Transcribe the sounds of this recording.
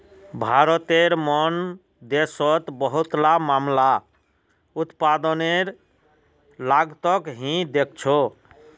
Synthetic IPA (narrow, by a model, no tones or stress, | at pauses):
bʱaɾət̪eɾmɔn | d̪esɔt̪bəɦut̪lamamla | ut̪pad̪əneɾ | laɡt̪əkɦĩd̪ek̚ʰt͡ʃʰo